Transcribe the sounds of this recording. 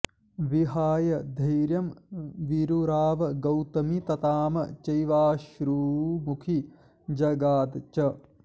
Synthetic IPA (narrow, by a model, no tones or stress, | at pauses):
ʋiɦaːjɐd̪ʱɐjɾjɐmʋiɾuɾaːʋɐɡɐwt̪ɐmit̪ɐt̪aːmɐ̰t͡ʃɐjʋaːʃɾuːmukʰi | d͡ʒɐɡaːd̪t͡ʃɐ